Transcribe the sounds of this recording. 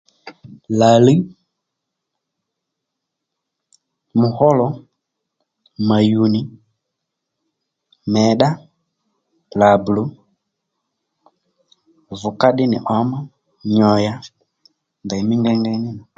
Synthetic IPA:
la˨li˦ | mu˨hɔ˦lɔ˨˦ | ma˨ju˨ni˦ | mɛ˨ɗa˦ | la˨blu˦ | vu˨ka˦ɗɪ˦nɪ˨ʔɔ˨mɔ˦ | ɲɔ˨ja˨ | nda˨i˨mi˦ŋɡɛ˦ŋɡɛ˦ni˦na˨

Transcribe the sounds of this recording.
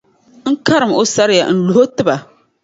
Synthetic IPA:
ŋ̩˦ka˦ɾɨ˨mo˦sa˦ɾɪ˦ja̰˨n̩˨lu˨ɦo˦tɨ˦ba˨

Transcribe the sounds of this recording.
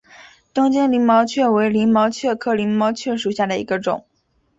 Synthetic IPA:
t̪ʊ˥ŋt͡ɕɛ˥nli˧˥ŋmɑ˧˥ʊt͡ɕʰɥɛ˥˩we˧˥ɪli˧˥ŋmɑ˧˥ʊt͡ɕʰɥɛ˥˧kʰɤ˥˩li˧˥ŋmɑ˧˥ʊt͡ɕʰɥɛ˥˩ʂu˨˩ɕja˥˩d̪ə˩ḭ˧˥ɡə˧ʈ͡ʂʊ̰˨˩˦ŋ

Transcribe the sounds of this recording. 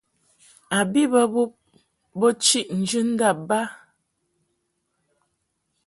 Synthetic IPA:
a˨bi˦bə˦bu˦p̚ | bə˦t͡ʃi˦ʔn̩˨d͡ʒɨ˦n̩˦da˦˨ba˦

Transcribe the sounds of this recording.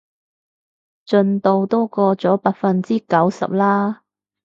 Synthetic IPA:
t͡ʃɵ˧nt̪o˧wt̪ɔː˥kɔː˧t͡sɔː˨˥paː˧k̚fɐ˧nt͡siː˥kɐ˨˥wsɐ̰˨p̚laː˥

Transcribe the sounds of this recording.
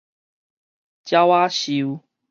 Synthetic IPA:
t͡ɕja˦wa˦ɕi˧u˦

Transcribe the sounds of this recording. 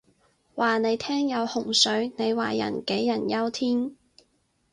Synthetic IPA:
waː˨˩ne˨˧jt̪ʰɛː˥ŋjɐ˨˧whʊ˨˩ŋsɵ˨˥ɥne˨˧jwa̰ː˨jɐ̰˨˩nke˨˥jːɐ˨˩njɐ˥wt̪ʰiː˥ŋ

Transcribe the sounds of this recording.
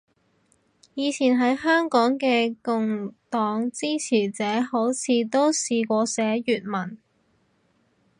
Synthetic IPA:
jiː˨˧t͡sʰiː˨˩nɦɐ˨˥jɦœː˥ŋkɔː˨˥ŋkɛː˧kʊ˨˧ŋt̪ɔː˨˧˥ŋt͡siː˥t͡sʰiː˨˩t͡sɛː˨˥ho˨˥wt͡sʰiː˨˧t̪o˥wsiː˧kʷɔː˧sɛː˨˥jyː˨t̚mɐ˨˩n

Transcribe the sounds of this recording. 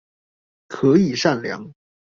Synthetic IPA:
kʰɤ˧˥i˨˩ʂa˥˩nljɑ̰˧˥˦ŋ

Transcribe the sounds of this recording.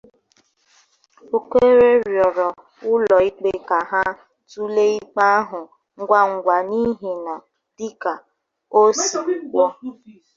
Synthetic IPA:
o˦kʷe˦ɾe˦ɾjɔ˨ɾɔ˨ | ʊ˦lɔ˨i˦k͡pe˦ka˨ɦa˦ | tu˦le˦i˦k͡pa˦a˦ɦʊ˨ | ŋ̩˦ɡʷa˦ŋ̩˨ɡʷa˨ni˦ɦe˨na˨ | d̥i˦ka˨ | o˦si˨k͡pɔ˦

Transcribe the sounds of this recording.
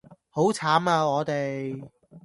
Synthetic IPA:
ho˨˥wt͡sʰaː˨˥maː˧ŋɔː˨˧t̪e˨j

